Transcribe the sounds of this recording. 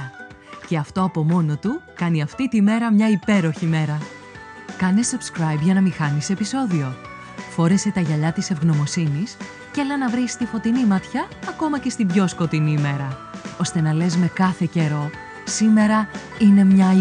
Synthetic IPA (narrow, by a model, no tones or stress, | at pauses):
ce̞ɐft̪o̞ɐpo̞mo̞no̞t̪ukɐniɐft̪it̪ime̞ɾɐmɲɐipe̞ɾo̞çime̞ɾɐ | kɐnesubskɾɐjbʝɐnɐmixɐnise̞piso̞ðio̞ | fo̞ɾe̞se̞t̪ɐʝɐʎɐt̪ise̞vɣno̞mo̞sinis | celɐnɐvɾist̪ifo̞t̪inimɐt̪çɐːko̞mɐce̞st̪ibʝo̞sko̞t̪inime̞ɾɐo̞st̪e̞nɐle̞zme̞kɐθe̞ce̞ɾo̞ | sime̞ɾɐ | ine̞mɲɐ